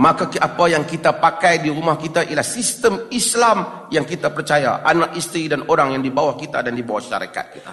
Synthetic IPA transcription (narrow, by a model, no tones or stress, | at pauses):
makakapajaŋkit̪apakajdiɾumahkit̪aʔilahsist̪əmislamjaŋkit̪apərt͡ʃaja̰ʔanak̚ist̪ɾidanoɾaŋjaŋdibawahkit̪a̰dandibawa̰hʃa̰ɾḛka̰t̪̚ɲa